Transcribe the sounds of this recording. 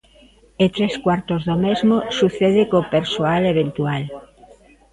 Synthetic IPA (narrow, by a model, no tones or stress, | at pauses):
et̪ɾeskwaɾt̪ozðomezmosuθeðekopeɾsoaleβ̞ẽnt̪ual